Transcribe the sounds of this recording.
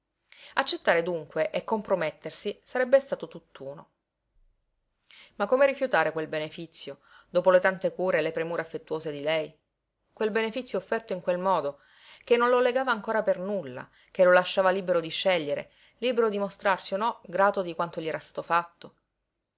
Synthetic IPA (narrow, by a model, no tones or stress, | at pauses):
at͡ʃːet̪ːaːɾed̪uŋkweʔekːompɾomet̪ːersisaɾɛbːest̪aːt̪ot̪ut̪ːuːno̰ | makːomeɾifjut̪aːɾekwelbenefit̪sːjo | d̪oːpolet̪ant̪ekuːɾelepɾemuːɾeafːet̪ːuoːsed̪ilɛj | kwelbenefit̪sːjoːfːɛrt̪oiŋkwelmɔːd̪o | kenːõnloleɡaːvaːŋkoːɾapernulːa̰ | k̟elolaʃːaːvaliːbeɾod̪iʃːɛʎːeɾḛ | liːbeɾod̪imost̪ɾarsionːɔɡɾaːt̪od̪ikwant̪oʎiɛɾast̪ḁːt̪ofat̪ːo